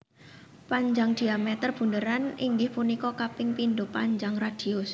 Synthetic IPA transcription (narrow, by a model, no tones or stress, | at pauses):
paɲd͡ʒaŋd̪̥i̤amɛt̪ərb̥ṳndəɾaniŋɡɪhpunikɔkapɪŋpind̪ʊpaɲd͡ʒaŋrad̪̥i̤ʊs